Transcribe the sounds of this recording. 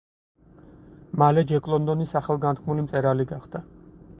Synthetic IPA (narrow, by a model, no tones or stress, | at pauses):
malɛd͡ʒɛkʼlˠɔnd̪ɔnisaχɛlˠɡant̪̚ʰkʰmulimt̪sʼɛɾaliɡaχd̪̥a